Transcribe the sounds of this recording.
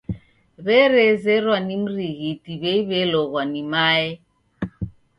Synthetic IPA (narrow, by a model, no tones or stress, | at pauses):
βɛɾɛzɛɾwanim̩ɾiɣitiβɛiβɛlɔɣwanimaɛ